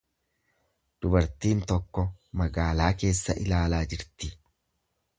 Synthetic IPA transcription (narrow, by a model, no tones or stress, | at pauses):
d̪̥ʊbɐɾt̪iːnt̪ɔkːɔmɐɡaːlaːke̞ːsːɐʔɪlaːlaːd͡ʒɪɾt̪ɪ